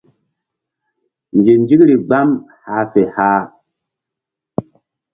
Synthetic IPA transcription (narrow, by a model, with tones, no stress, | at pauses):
nd͡ʒi˨nd͡ʒi˦kɾi˨ɡ͡ba˦m | ha˨˦fe˨haː˦